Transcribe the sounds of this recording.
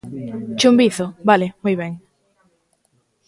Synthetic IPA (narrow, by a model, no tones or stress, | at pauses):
t͡ʃumbiθʊbalɪmujβɛŋ